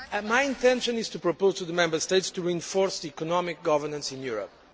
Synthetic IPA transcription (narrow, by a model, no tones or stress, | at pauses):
majĩnt̪ɛ̃nʃə̃nɪz̥t̪upɹɔpoʊz̥t̪uðəmɛ̃mbə˞st̪eɪtstuɹiɨ̃nfɔɹsðiikɔnɔmɪk̚ɡɔvə˞nə̃nsĩnjuɹə̰p̚